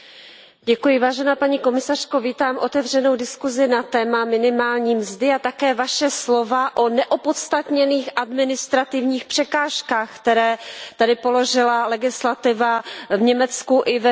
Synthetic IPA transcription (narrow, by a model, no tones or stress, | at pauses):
ɟɛkujɪvaːʒɛnaːpaɲiːko̞mɪsar̝̥ko̞viːt̪aːmʔo̞t̪ɛvr̝ɛnowdɪskuzɪnat̪ɛːmamɪnɪmaːlɲiːmzdɪat̪akɛːvaʃɛslo̞vaʔonɛʔopot̪st̪at̪ɲɛniːxʔadmɪnɪst̪ɾat̪ɪvɲiːxpr̥ɛkaːʃkaːxkt̪ɛɾɛːt̪adɪpo̞lo̞ʒɪlalɛɡɪslat̪ɪvavɲɛmɛt͡skuʔɪvɛ